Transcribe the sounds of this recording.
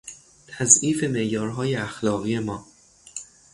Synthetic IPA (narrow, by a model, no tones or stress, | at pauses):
t̪ʰæziːfe̞me̞ʔjɒːɾɦɒːjeæxlɒːɣiːemɒː